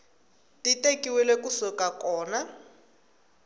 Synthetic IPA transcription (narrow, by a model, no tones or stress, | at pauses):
tʼitʼekʼiwɛlɛkusɔkʼakɔːna